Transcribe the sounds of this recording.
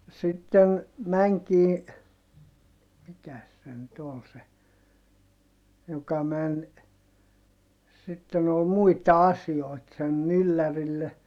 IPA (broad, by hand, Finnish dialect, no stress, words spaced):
no sitːen mæŋkiː mikæs se nyt ol se jokɑ mæn sitːen ol muitɑ ɑsioit sen mylːærilːe